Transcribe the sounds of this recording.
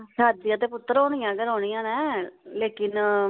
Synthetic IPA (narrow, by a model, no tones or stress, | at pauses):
saːd̪ɪjãːt̪̬eːpʊt̪ːəɾoːɳ̃ɪjãːɡəɾoːɳ̃ɪjãːnɛːleːkɪn